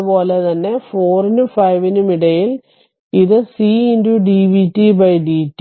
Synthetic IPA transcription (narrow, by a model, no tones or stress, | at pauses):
po̞ːlet̪ɐnːe̞fo̞ːrinumfɐjʋinumiɽɐjil | iðɨsiːinduɖiːʋitːibɐjɖiːtː